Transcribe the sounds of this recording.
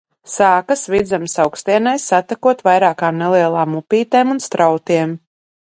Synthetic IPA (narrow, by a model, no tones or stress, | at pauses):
saːkasvid̪zamsawkst̪iɛnajsːat̪akuɔt̪vajɾaːkaːmnelˠiɛlˠaːmːupʲiːt̪eːmunst̪ɾʔawt̪iɛm